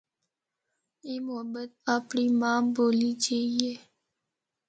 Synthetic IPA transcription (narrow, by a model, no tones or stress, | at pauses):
eːmʊɦəbːət̪̚aːpɳiːmãːboːliːd͡ʒaːieː